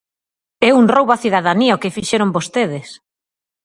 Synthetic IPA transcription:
ɛuŋrowβaθiðaðaniaokɪfiʃeɾombost̪eð̞ɪs

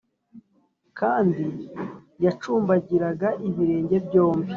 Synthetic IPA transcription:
kʰaːndi | jat͡ʃuːmbaɟiɾaɡaʔiβiɾe̞ːɲɟe̞bɟo̞ːmbi

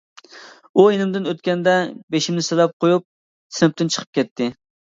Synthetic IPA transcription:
ujenɪmd̪ɪnøt̪kʲɛnd̪ɛbeʃimnɪsɪlɛp̚qojup̚ | sɪnɪp̚t̪ɪnt͡ʃʰə̥qʰə̥p̚kʲɛt̪ʰːɪ

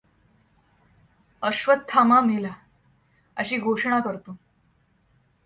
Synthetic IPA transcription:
əɕʋət̪̚t̪ʰːamamila | əɕiːɡʱoʂɳ̃akəɾt̪o

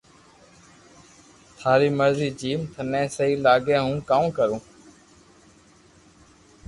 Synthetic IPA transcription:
t̪ʰaːɾiːməɾziːd͡ʒiːmt̪ʰənẽːsəɦiːlaːɡẽːɦũːkakəɾũː

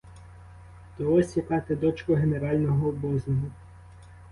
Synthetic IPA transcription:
d̪̥ɔɔsʲjʲɐkɑt̪ed̪ɔt͡ʃkɔɦeneɾɑlʲnɔɦɔbɔznɔɦʊ

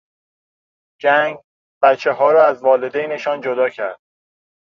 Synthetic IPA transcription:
d͡ʒæŋɡ | b̥æt̪t͡ʃʰːe̞ɦɒːɾɒːæzvɒːle̞d̪ejne̞ʃɒːnd͡ʒod̪ɒːcʰæɾd̪̥̚

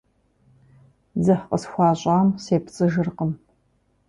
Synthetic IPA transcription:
zɐħqʼəsxʷɑːɕʼaːmseːpʰt͡sʼɨʒɨrqəm

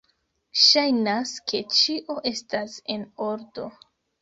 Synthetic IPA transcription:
ʃajnaskʰe̞t͡ʃiʔo̞ʔe̞stase̞no̞ɾdo̞

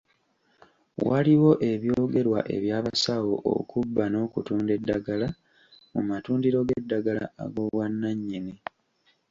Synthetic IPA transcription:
waliwo̞ʔe̞βjo̞ːɡe̞ɾwa̰ʔe̞̰βjaːβasawoʔo̰kubːano̞ːkutuːnde̞dːaɡala | mumatuːndiɾo̞ɡedːaɡala̰a̰ɡo̞βwanːaɲːini

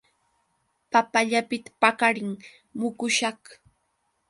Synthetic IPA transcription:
papaʎapɪt̪ḁpakaɾɪŋ | mʊkʊʃɑχ

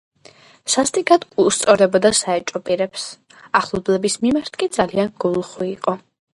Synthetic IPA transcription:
sast̪ʼiɡad̪kʼust̪sʼɔɾɛbɔd̪asaɛt͡ʃʼɔpʼiɾɛps | aχlˠɔblɛbismimaɾt̪ʰkʼid̪zalianɡulˠχuiqʼɔ

